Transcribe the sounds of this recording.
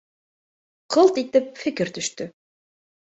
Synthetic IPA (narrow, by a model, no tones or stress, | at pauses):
qʰɤlˠt̪it̪ɪp̚fɪkɪɾt̪yʃt̪ʏ